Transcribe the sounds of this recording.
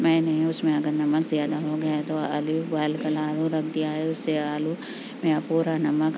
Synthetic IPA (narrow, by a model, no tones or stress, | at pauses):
mɛ̃ːnɐɦĩʊsmẽɐɡəɾnɐməkzijaːd̪aɦoɡɐjat̪oɐlibalkɐlaːluɾɐk̚ʰd̪iaːɦeʊsːeaːlu | mẽjapuːɾanɐmək